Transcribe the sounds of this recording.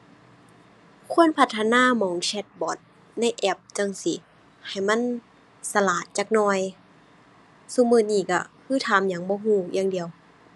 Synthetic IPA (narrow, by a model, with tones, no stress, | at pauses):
kʰu˧˥˨ə˨npʰa˧t̪ʰːa˧naː˧˥˨mɔː˨˦ŋsɛ˧˦t̪̚bɔː˨˦t̪̚ | na˧˥˨jʔɛ˧˩p̚t͡ɕa˧˨ŋsi˧˦ | ha˨˩jma˧˥˨n | sa˧laː˨˩t̪̚t͡ɕaː˧˩k̚nɔː˧˩j | su˧˦mɯː˧˩niː˧˩ka̰˧˩kʰɯː˧˥˩t̪ʰaː˨˦mjaː˨˦ŋbɔː˧˦ɦuː˧˩jaː˧˥˨ŋdi˨əw